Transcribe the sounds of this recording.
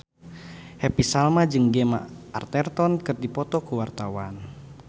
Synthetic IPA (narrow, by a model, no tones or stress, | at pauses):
hɛpisalmad͡ʒɨŋɡɛma̰a̰rt̪ɛrt̪ɔnkɨrdipɔt̪ɔkuwart̪awan